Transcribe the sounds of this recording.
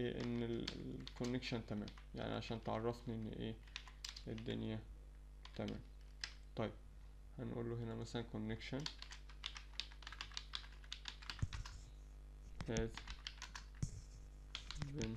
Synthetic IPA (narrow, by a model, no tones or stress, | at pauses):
ʔeʔɪ̰nːɪlkʊnːɪkʃant̪amæ̰ːmja̰ʕnḭʕa̰ʃæːnt̪ʕɑ̰rˤːɑfniʔɪn̰ːʔeː | ʔɪd̪ːʊ̰nja | t̪amæ̰ːm | t̪ˤɑjːɪb̥̚ | hanʔṵːlːuːɦɪnæmæsalankʊnːɪkʃan | hæːt̪ | bɪn